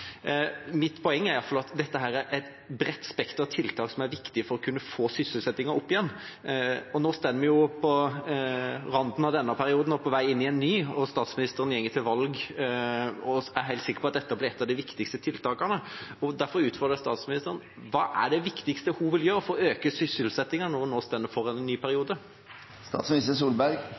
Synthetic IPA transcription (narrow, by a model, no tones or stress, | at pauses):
mɪt̪pʰɔɛŋːæɾjɑlfɑlɑt̪d̪ɛt̪ːəɦæːɾæɾæt̪ | bɾɛt̪ːspɛkt̪ɾɑt̪ʰɪlt̪ʰɑːksɔmæɾʋɪkt̪ɪfɔɾɔkʰʉnːəfoːsʏsəlsɛt̪ːɪŋɑɔpːɪjɛnː | ɔnoːst̪ɛnːəmɪjʊpʰɔ | ɾɑnd̪n̩ɑʋd̪ɛnːɑpʰæɾɪuːd̪n̩ɔpʰɔʋæɪɪnːɪɛɪnːyːɔst̪ɑːt̪smɪnɪst̪əɾənjɛŋːət̪ʰɪlʋɑlɡ | ɔæɾɦæɪlt̪sɪkːə̥ɾpʰɔɑt̪̚d̪ɛt̪ːəblɪɛt̪ːɑʋd̪ɛʋɪkt̪ɪkst̪ət̪ʰɪlt̪ʰɑːkɑnəɔd̪æɾfɔɾʉːt̪fɔɾɖəst̪ɑːt̪smɪnɪst̪əɾən | ʋɑːʔæ̰ɖɛʋɪkt̪ɪkst̪əhʊʋɪljøːɾəfɔɾɔøːkəsʏsəlsɛt̪ːɪŋɑnɔɾʋɪnoːst̪ɛnːəfɔɾɑnɛnnːyːpʰæɾɪuːd̪ə | st̪ɑ̰ːt̪smɪnɪst̪əsuːlbæɾɡ